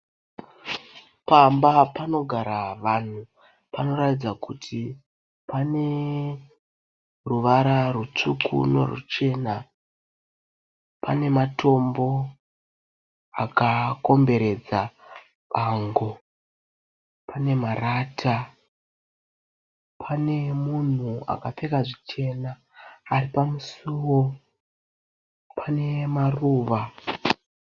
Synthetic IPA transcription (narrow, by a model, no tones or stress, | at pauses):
pambapano̞ɡʱaɾaʋan̤u | pano̞ɾatid͡zakutʰi | pane̞ | ruʋaɾarut͡ʂukʰṵne̞̰rṵt͡ʃe̞ːna | pane̞matʰo̞mbo̞ | akako̞mbe̞ɾe̞d͡za | paːŋɡo̞ | pʰane̞maraːtʰa | pʰane̞mun̤ua̰kafekaʐit͡ʃe̞naː | ripamusuwo̞ | pʰane̞maruːʋa